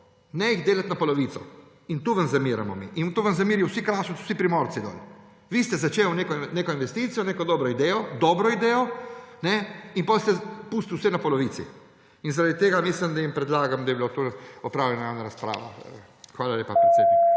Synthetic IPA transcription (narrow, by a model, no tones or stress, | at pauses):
nɛjiɣd̪eːlat̪napɔlɔʋiːt̪sɔ̰ | int̪uʋanzamiːɾamɔmḭʔint̪oːʋanzamiːɾiwsikɾaːʃɔwsipɾimoːɾt̪sid̪ɔ̰ːl | ʋist̪ɛzat͡ʃeːwneːkɔneːkɔinʋɛst̪it̪sijɔneːkɔd̪ɔːbɾɔid̪ɛjɔd̪ɔːbɾɔid̪ɛːjɔnɛinpɔːlst̪ɛpuːst̪iwsɛnapɔlɔʋiːt̪sḭ | inzaɾad̪it̪eːɡamislimd̪ajimpɾɛd̪laːɡamd̪ɐjibilat̪oɔpɾaːwlʲɛnaanaɾaspɾa̰ːʋa̰ | xʋaːlaleːpapɾɛt̪seb